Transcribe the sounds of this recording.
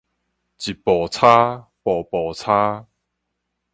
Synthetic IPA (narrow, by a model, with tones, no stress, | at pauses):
t͡ɕi˨˩pɔ˨˩t͡sʰa˦pɔ˨˩pɔ˨˩t͡sʰa˦